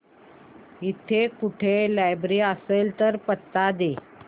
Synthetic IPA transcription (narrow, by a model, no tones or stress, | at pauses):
it̪ʰekuʈʰelajbɾiəselt̪əɾpət̪ːad̪e